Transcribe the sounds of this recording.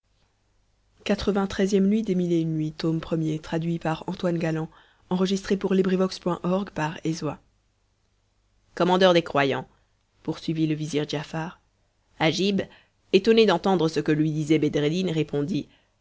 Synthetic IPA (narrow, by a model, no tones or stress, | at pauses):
kat̪χəvɛ̃t̪χɛzjɛmnɥid̪emilenɥit̪ompχəmjet̪χad̪ɥipaʁɑ̃t̪wanɡalɑ̃ | ɑ̃ʁəʒist̪χepuʁlibʁivɔkspwɛ̃ʔɔʁɡpaʁezwa | kɔmɑ̃d̪œʁd̪ekχwajɑ̰̃ | puʁsɥiviləviziʁdʒafaːʁ | aʒib | et̪ɔned̪ɑ̃t̪ɑ̃d̪ʁəsəkəlɥid̪izɛbed̪ʁed̪inʁepʰɔ̃d̪i